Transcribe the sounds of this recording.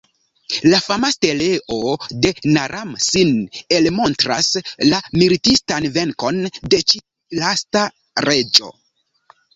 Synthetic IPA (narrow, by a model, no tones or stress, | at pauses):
lafamaste̞le̞ʔo̞de̞naɾʔamsine̞lmo̞ntɾa̰slamilitistanve̞ŋko̞nde̞t͡ʃi | lasta | ɾe̞d͡ʒo̞̰